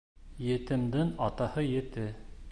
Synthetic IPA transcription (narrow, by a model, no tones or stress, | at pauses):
jɘ̆t̪ɘ̆md̪ɘŋɑt̪ɑhɤjɘ̆t̪ɘ